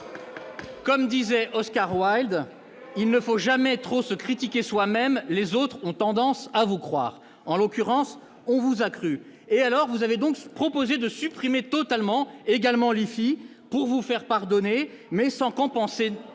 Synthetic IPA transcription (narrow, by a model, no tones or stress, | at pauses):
kɔmd̪izɛʔɔskaʁwajld̪ | ilnəfoʒamɛt̪χosəkχit̪ikʲeswamɛmlezot̪χɔ̃t̪ɑ̃d̪ɑ̃savukχwa̰ːʁ | ɑ̃lokʲyʁɑ̃s | ɔ̃vuzakχy | ealɔʁvuzaved̪ɔ̃kpχɔpozed̪əsypχimet̪ɔt̪almɑ̃eɡalmɑ̃lifi | puʁvufɛʁpaʁd̪ɔne | mɛsɑ̃kɔ̃pɑ̃se